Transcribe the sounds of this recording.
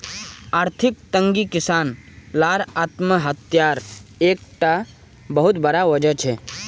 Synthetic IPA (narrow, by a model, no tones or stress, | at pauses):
aːɾt̪ʰɪk̚t̪ə̃ŋɡikɪsaːnlaːɾaːt̪məɦət̪jaːɾeːk̚ʈa | bəɦʊt̪bɐɾaʋɐd͡ʒət͡ʃʰɛ